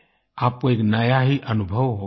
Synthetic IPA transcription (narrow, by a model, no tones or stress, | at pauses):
ap̚koeknəjaɦiʔənubʱəwɦo